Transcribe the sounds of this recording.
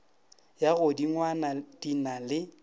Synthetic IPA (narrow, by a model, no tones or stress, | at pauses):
jaɣʊdiŋwanadinalɪ